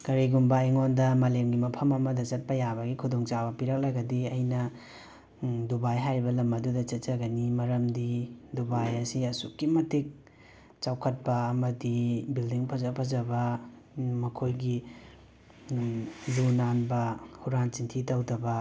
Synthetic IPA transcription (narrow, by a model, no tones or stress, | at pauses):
kɐɾiɡumbɐeŋondɐmɐlemɡimɐpʰɐmɐmɐdɐt͡ʃɐt̚pɐjabɐɡikʰudoŋt͡ʃabɐpiɾɐk̚laɡɐdiɐjnɐ | dubajɦajɾibɐlɐmɐdudɐt͡ʃɐt̚t͡ʃɐɡɐnimɐɾɐmdidubajɐsiɐsukːimɐtʰik̚ | t͡ʃawkʰɐt̚pɐːmɐdibildiŋpʰɐzɐpʰɐzɐbɐ | mɐkʰojɡi | zunanbɐhuɾant͡ʃintʰitɐwdɐbɐ